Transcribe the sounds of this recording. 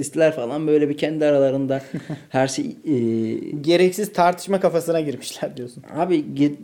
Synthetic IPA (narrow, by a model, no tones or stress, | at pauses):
ist̪lʲæɾfalˠanbø̞jlʲɛbicʰɛnd̪iaɾalˠaɾɯnd̪ahæɾʃeː | ɟe̞ɾɛcsiz̥t̪ʰaɾt̪ʰɯ̥ʃmakafasɯnaɟiɾmiʃlʲæɾd̪ijo̞sunha̰biɟi